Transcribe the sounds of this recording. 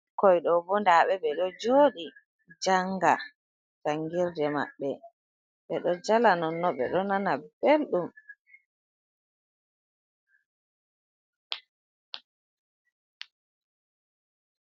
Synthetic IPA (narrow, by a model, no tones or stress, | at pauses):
kɔjɗɔbɔndaɓɛɓɛɗɔd͡ʒoːɗi | d͡ʒaŋɡa | taŋɡiɾdɛma̰ɓːɛ | ɓɛɗɔd͡ʒalanɔnːɔɓɛ̰ɗɔnanab̥elɗum